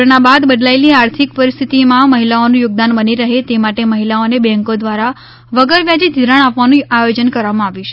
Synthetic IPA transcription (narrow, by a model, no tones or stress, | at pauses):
ɾɳabad̪bəd̪laeliaɾt̪ʰikpəɾist̪ʰit̪imãməɦilaonũjʊɡ̚d̪anbəniɾəɦet̪emaʈeməɦilaonebɛ̃ŋkod̪ʋaɾa | ʋəɡəɾʋjad͡ʒid̪ʱiɾəɳ̃apʋanũajod͡ʒənkəɾʋamãaʋiʃe̥